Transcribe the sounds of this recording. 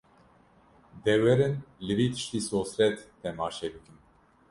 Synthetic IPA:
d̪ɛwɛɾɨnlɨviːt̪ʰɨ̥ʃt̪iːsoːsɾɛt̪ʰː | ɛmɑːʃɛbɨkɨn

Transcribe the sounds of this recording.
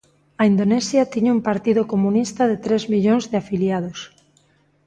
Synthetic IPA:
ɐind̪onesjat̪iɲaumpaɾt̪iðokomũnist̪aðet̪ɾezmiʎonzðɪafiljað̞os

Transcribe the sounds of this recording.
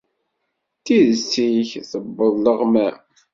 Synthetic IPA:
t̪iðəsːiçθəbːəðˤːəʁmæ

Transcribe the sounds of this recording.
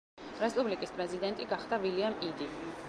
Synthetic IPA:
ɾɛspʼublikʼispʼɾɛzid̪ɛnt̪ʼiɡaχd̪aviliamid̪i

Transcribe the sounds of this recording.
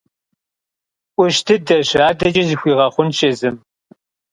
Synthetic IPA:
ʔʷʊʃtʰɨdɐɕaːdɐd͡ʒɐzɨxʷiːʁɐχʷʊnʃʼeːzɨm

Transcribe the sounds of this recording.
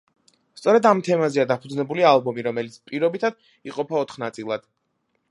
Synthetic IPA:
st̪sʼɔɾɛd̪amt̪ʰɛmazɛad̪apʰud̪znɛbulialˠbɔmiɾɔmɛlit̪sʰpʼiɾɔbit̪ʰad̪̥ | iqʼɔpʰaɔt̪ʰχnat̪sʼilˠad̪̥

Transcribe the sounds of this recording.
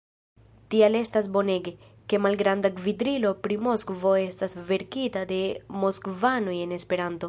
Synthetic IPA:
tiale̞stasbo̞ne̞ɡe̞ | ke̞malɡɾandakvidɾilo̞pɾimo̞skvo̞e̞stasve̞ɾkitade̞mo̞skvanoje̞ne̞spe̞ɾanto̞

